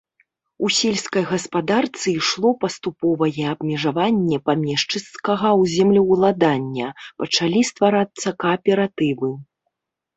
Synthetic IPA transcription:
usʲelʲskɐjɣɐspad̪art̪sɨiʂlˠɔpɐst̪upɔvɐjɛːbmʲɛʐavanʲːɛpamʲɛʂt͡ʂɨskɐɣɐwzʲɛmlʲɛwlˠad̪anʲːɐpɐt͡ʂalʲist̪vaɾat̪sːɐkɐːpʲɛɾat̪ɨvɨ

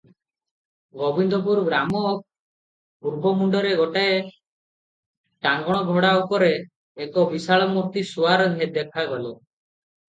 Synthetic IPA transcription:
ɡɔbind̪ɔp̬uɾɡɾamɔ | puɾbʱɔmuɳɖɔɾeɡɔʈae | ʈaŋɡɔɽ̃ɔɡʱɔɽaupɔɾeː | kɔbisaɭɔmuɾt̪isuaɾɔned̪ekʰaɡɔlɔ

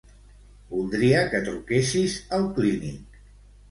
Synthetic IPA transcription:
bulˠd̪ɾiəkət̪ɾukesizəlˠklinik

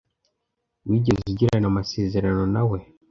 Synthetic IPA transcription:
wiɟezziɟiɾanamase̞ːze̞ɾano̞nawe̞

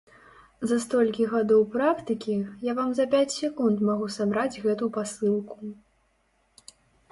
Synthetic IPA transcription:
zɐst̪ɔlʲkʲiɣad̪ɔwpɾakt̪ɨkʲijavamzɐpʲat͡sʲsʲɛkunt̪maɣusabɾad͡zʲɣɛt̪upasɨlˠku̥

